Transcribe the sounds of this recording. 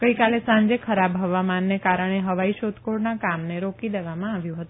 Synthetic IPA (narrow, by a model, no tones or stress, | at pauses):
ɡ̥əikalesãɲd͡ʒekʰəɾabɦəʋamanːekaɾəɳ̃eɦəʋaiʃot̪koɽnakamneɾokid̪eʋamãaʋjũɦət̪ũ